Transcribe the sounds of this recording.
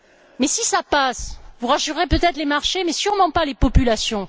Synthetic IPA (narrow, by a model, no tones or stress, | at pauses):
mɛsisapasvuʁaʃyʁʁepøt̪ɛt̪χlemaʁʃemɛsyʁmɑ̃palepɔpylasjɔ̃